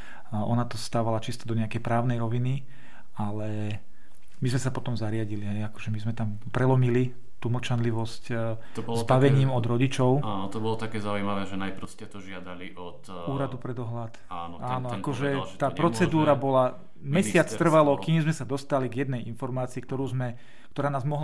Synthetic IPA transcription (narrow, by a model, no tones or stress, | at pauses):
ʔɔnat̪ɔst̪aːʋalat͡ʃist̪ɔd̪ɔɲɛakɛjpɾaːʊnɛjɾɔʋini | alɛ | mizmɛsapɔt̪ɔmzaɾɪaɟiliɦɛjakɔ̥ʒɛmizmɛt̪am | pɾɛlɔmili | t̪umɔt͡ʃanliʋɔsct̪ɔbɔlztbaʋɛɲiːmɔd̪ɾɔɟit͡ʃɔʊaːnɔt̪ɔbɔlɔt̪akɛːzaujmaʋɛʒɛnajpɾɔscɛt̪ɔʒɪad̪aliʔɔt̪ | uːɾad̪upɾɛd̪ɔɦlat̪aːnɔaːnnɔakɔʒɛt̪aːpɾɔt͡sɛd̪uːɾabɔla | mɛsɪat͡st̪r̩ʋalɔkiːmzmɛsad̪ɔst̪aliɡjɛd̪nɛjʔinfɔɾmaːt͡siːkt̪ɔɾuːzmɛ | k̚t̪ɔɾaːnaːzmɔɦl